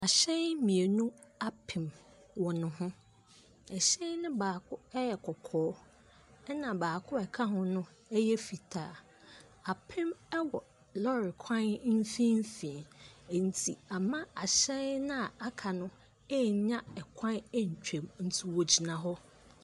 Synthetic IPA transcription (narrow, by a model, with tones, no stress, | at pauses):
a˨ɕɛ˦mĩ˨e˨nũ˦a˦pʰɪ̃˨m | wɔ˨nʊ̃˦ɦʊ̃˦ | ɛ˨ɕɛ˦nʊ̃˦baː˨kʰʊ˦ɛ˦jɛ˨kʰɔ˨kʰɔː˦ | ɛ˦nã˨baː˨kʰʊ˦ɛ˨kʰa˦ɦʊ̃˦nʊ̃˦ | ɛ˦jɛ˦fi˨tʰaː˨˦˨ | a˨pʰɪ̃˦mɛ˦wɔ˨ | lɔ˦ɾɪ˨kʰã˦n˦n̩˦fĩ˦m̩˦fĩ˨n̩˨tʰi˨a˨mã˦a˨ɕɛ˦nʊ̃˦a˨a˦kʰa˨nʊ̃˦ | ɛ˦˨˦ɲã˦ɛ˨kʰã˦nɛ˦ɲ̩˨t͡ɕᶣẽ˨mn̩˦tʰu˦wɔ˨d͡ʑi˨nã˨ɦɔ˦